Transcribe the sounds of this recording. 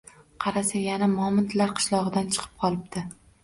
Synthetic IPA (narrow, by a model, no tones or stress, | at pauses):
qʰɑɾasajanamɒmɪnt̪laɾqʰɨ̥ʃlˠɒʁɨd̪ant͡ʃʰɨ̥qʰɨ̥p̚qʰɒlˠɪb̚d̪̥ɪ